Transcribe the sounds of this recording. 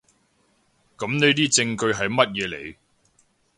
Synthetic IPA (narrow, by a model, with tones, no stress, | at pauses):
kɐ˨˥mne˨˥jt̪̬iː˥t͡sɪ˧ŋkɵ˧ɥɦɐ˨jmɐ˥t̚jɛː˨˧lḛ˨˩j